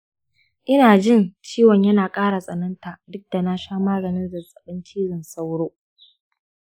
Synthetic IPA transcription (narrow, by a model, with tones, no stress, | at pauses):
ʔɪ˦naː˨d͡ʒɪ˦˨nt͡ʃiː˦wɐ˨ɲjɐ˦naː˨kʼaː˦ɽa˨sʼɐ˨nɐ˦nta˨dʊ˦k̚da˨na˦ʃaː˦maː˦ɡɐ˨nɪ˦nzɐ˨sʼɐ˨ɓɪ˦nt͡ʃiː˦zɪ˨nsa˦wɽoː˦